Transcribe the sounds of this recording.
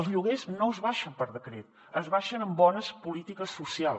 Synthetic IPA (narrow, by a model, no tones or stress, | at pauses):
əlˠzʎuɣeznoəzβaʃəmpəɾðəkɾet̪̚ | əzβaʃənəmbɔnəspulit̪ikəsːusial